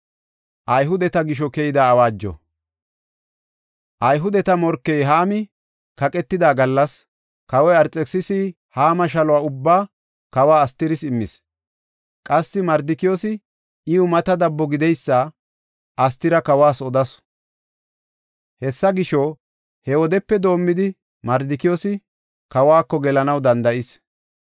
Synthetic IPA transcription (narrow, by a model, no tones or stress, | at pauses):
ʔɐjɦʊd̪ɛt̪ɐɡɪʃ̬ɔkɛjɪd̪ɐːwaːd͡ʒːɔ̰ | ʔɐjɦʊd̪ɛt̪ɐmɔɾkːɛjɦaːmɪ | kɐkʼɛt̪ːɪd̪aːɡɐlːɐs | kɐwɔjɐɾt͡sʼːɛksɪsi | haːmɐʃ̬ɐlɔwaːʊbːaː | kɐwaːst̪ːɪɾɪsɪmːɪs | kʼɐsːɪmɐɾd̪ɪkɪjosɪ | ɪʊmɐt̪ɐd̪ɐbːɔɡɪd̪ɛjsːɐ | ʔɐst̪ɪɾɐkɐwaːsɔd̪ɐs | hɛsːɐɡɪʃɔ | hɛwɔd̪ɛpːɛd̪o̞ːmːɪd̪ɪ | mɐɾd̪ɪkɪjoːsɪ | kɐwaːkːɔɡɛlɐnɐwd̪ɐnd̪ɐʔɪs